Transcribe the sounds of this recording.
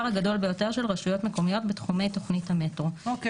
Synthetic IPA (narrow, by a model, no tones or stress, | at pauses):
ʁaɡado̞lbejo̞te̞ʁʃelʁaʃujo̞tme̞ko̞mijo̞tbetχume̞jto̞χnithametʁo